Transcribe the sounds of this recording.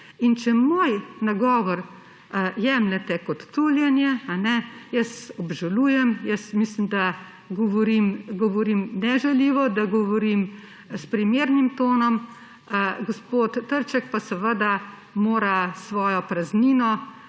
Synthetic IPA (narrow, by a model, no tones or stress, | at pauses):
int͡ʃɛmoːjnaɡɔːʋɔɾ | jɛːmlɛt̪ɛkɔt̪ːuːljɛnjɛanɛjəsɔbʒaluːjɛmjəsmislimd̪a | ɡɔʋɔɾimɡɔʋɔɾiːmnɛʒɛliːʋɔd̪aɡɔʋɔɾim | spɾimeːɾnimt̪oːnɔm | ɡɔspoːt̪ːəɾt͡ʃɛkpasəʋəd̪a | moːɾasʋɔːjɔpɾazniːnɔ